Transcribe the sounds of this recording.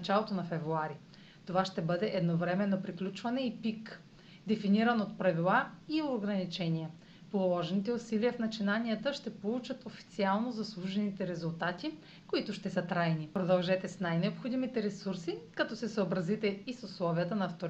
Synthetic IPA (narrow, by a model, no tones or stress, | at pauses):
ɐt͡ʃalˠot̪onɐfɛvɾuaɾi | t̪ovaʃt̪ɛbɤd̪ɛʔɛd̪novɾɛmɛnːopɾiklʲut͡ʃvɐnɛipik | d̪ɛfiniɾənot̪̚pɾɐvilˠaioɡɾɐnit͡ʃɛniɛ | polˠɔʒɛnit̪ɛusiliəfnɐt͡ʃinaniət̪əʃt̪ɛpolˠut͡ʃət̪ofi̥t̪sialˠnozɐslˠuʒɛnit̪ɛɾɛzulˠt̪at̪i | koit̪ʊʃt̪ɛsət̪ɾajnipɾod̪ɐlˠʒɛt̪ɛsnajnɛopxod̪imit̪ɛɾɛsuɾsikɐt̪ɔsɛsəobɾɐzit̪ɛisʊslˠɔviət̪ənɐːft̪oɾ